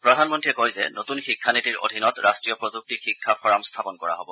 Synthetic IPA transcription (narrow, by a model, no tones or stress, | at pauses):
pɹɔdʱanmɔntɹiɛkɔjzɛ̰notunxikʰːanetiɹo̰dʱinɔtɹʔastɹijɔpɹoduk̚tixikʰːafɔɹamstʰapɔnkɔɹa̰ɦɔbɔ